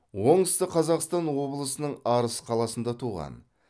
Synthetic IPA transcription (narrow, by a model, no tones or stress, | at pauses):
wo̞ɴəst̪əqʰɑzɑqst̪ɑnwo̞bəlˠəsənəɴɑɾəsə̥qʰɑlˠɑsənd̪ɑt̪ʰuʁɑ̰n